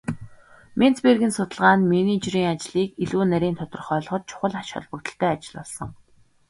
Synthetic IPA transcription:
men̥t͡sperɣʲĭnsʊt̪ə̆ɮʁaːnmeniːt͡ɕriːŋat͡ɕɮiːkiɮuːnæɾʲiːnt̪ʰɔt̪ɞ̆rχœːɮɞ̆χɞ̆t̪̚t͡ɕʰʊ̥χə̆ɮaʃχɔ̰ɮpə̆kt̪ə̆ɬt̪ʰæːat͡ɕɪ̆ɮpɔɮsɞ̆ŋ

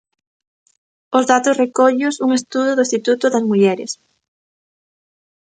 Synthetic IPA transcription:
ʊzðat̪ʊsrekɔʎʊsuŋest̪uðʊðʊist̪it̪ut̪ʊðɐzmuʎɛɾɪ̰s

